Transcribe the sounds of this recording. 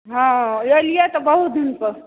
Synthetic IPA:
ɦãjelijat̪ɔbəɦut̪̚d̪inpə

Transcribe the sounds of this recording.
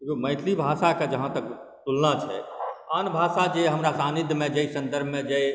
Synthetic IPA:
jomə̃ɪt̪ʰlibʱasaked͡ʒəɦãt̪ək | t̪ulnat͡ʃʰɛ̰anbʱasad͡ʒeɦəmɾasanid̪ʱmẽd͡ʒeisənd̪əɾbʱmed͡ʒej

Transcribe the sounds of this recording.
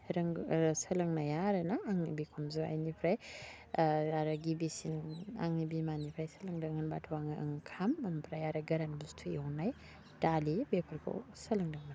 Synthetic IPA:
ɾɐŋsɐlɐŋnajaɾɐnaːŋnḭbikʰumzua̰jnipʰɾaj | aɾaɡibisina̰ŋnibimanipʰɾajsɐlɐŋdɐŋɯnbatʰuwaŋaʔɐ̰ŋkʰamɐmpʰɾajaɾaɡɐɾanɡustʰueɔnaj | dalibepʰɐɾkʰo̰wsɐlɐŋdɐŋnan

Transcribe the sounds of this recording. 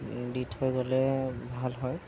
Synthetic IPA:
ditʰhɔjɡɔlɛbʱalɦɔj

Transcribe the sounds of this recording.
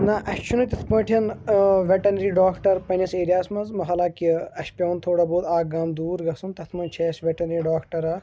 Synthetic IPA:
naːʔɐʃʲt͡ʃʰunut̪ʲɐt̪ʰpɐ̃ːʈʰiɐnʋʲeʈɐnɐɾiɖaːkʈɐɾpɐnʲɐseːɾijaːsmɐzmɐɦɐlaːkiɐʃpʲɐʋɐnt̪ʰoːɽaboːd̪aːɡaːmd̪uːɾɡɐsunt̪ɐt̪ʰmɐnt͡ʃʰeːsʋʲeʈɐnɐɾiɖaːkʰʈɐɾɐː

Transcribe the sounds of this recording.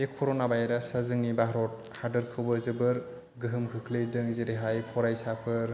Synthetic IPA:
ekʰɔɾonabajɾasazɯŋnibaɦɾɔt̚ | hadɯɾkʰɯwbɯzɯbɯɾ | ɡɯɦɯmkʰɯkʰlejdɯŋzeɾeɦajpʰɔɾajsapʰɯɾ

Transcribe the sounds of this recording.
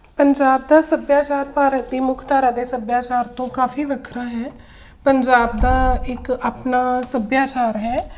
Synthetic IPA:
pəɲd͡ʒaːb̚d̪aːsəbjaːt͡ʃaːɾpaːɾək̚d̪iːmʊkʰt̪aːɾaːd̪eːsəbjaːt͡ʃaːɾt̪õːkaːfiːʋəkʰɾãːɦɛː | pəɲd͡ʒaːb̚d̪aːɪkaːpnaːsəbjaːt͡ʃaːɾɦɛː

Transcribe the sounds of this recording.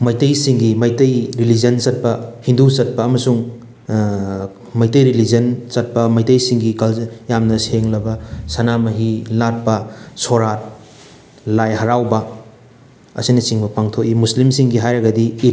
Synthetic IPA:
mɐjtɐjsiŋɡimɐjtɐjɾilizɐnsɐt̚pɐhindusɐt̚pɐːmɐsuŋ | mɐjtɐjɾilizɐnsɐt̚pɐmɐjtɐjsiŋɡikɐljamnɐseŋlɐbɐsɐnamɐɦilat̚pɐsoɾat̚ | lajɦɐɾawbɐ | ɐ̰sinɐt͡ʃiŋbɐpaŋtʰok̚imuslimsiŋɡiɦajɾɐɡɐdi

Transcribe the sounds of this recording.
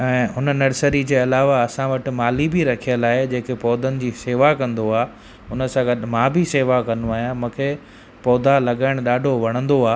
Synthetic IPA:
ɛ̃ːʊnənːɐɽsəɾid͡ʑeːɐlaːʋaɐsãʋɐʈɪ̆maːlibiɾɐkʰijəlaːɦed͡ʑẽːkepɔːd̪ʱənɪ̆d͡ʑiːseːʋakɐ̃nd̪oaː | ʊnə̆sãɡɐɗmãːbʱiseːʋakɐ̃nuaːɦijãmũːkʰeː | pɔːd̪ʱalɐɠaːɪɽ̃ɗaːɖʱoʋɐɽ̃ə̃nd̪oaː

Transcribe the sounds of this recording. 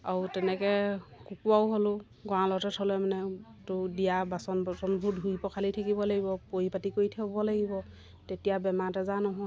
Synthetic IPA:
autɛnɛkɛkukuawɦolʊ | ɡɔãlɔtɛtʰɔlɛmanɛ | tʊdijabasɔnbɔsɔnbʱudʱɦujpɔkʰalitʰakibɔlaɡibɔpoipatikoɹitʰakbɔlaɡibɔ | tetijabɛmatɛzanɔɦɔ

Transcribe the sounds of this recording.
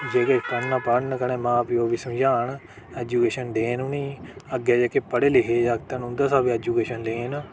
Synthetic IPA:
d͡ʒeːkekənnaːpaɽnəkəneːmãːpːjoːʋisəmd͡ʒaːɳ | ɛːd͡ʒuːkeːʃənd̪eːnũːnĩːəɡɛːd͡ʒeːkepəɽeːleɦeːd͡ʒaːkt̪ənʊ̃nd̪aːsaːbiɛːd͡ʒuːkeːʃənleːnː

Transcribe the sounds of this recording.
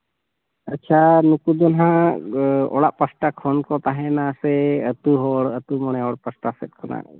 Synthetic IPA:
ətːt͡ʃʰanukud̪ɔnɦã | ɔ̰ɽaʔpəsʈakʰɔnkɔt̪aɦɛnasɛət̪uɦɔɽət̪umɔɽ̃ɛɔɽpəsʈasɛt̪̚kʰɔna̰

